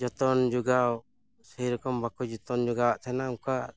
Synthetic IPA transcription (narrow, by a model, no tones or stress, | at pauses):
d͡ʒɔt̪ɔnd͡ʒuɡaw | səjɾɔkɔmbakɔd͡ʒɔt̪ɔnd͡ʒuɡawaʔt̪ʰɛnaka